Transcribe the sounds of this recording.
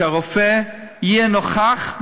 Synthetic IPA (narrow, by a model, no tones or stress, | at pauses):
aʁofeijɛnoχaχb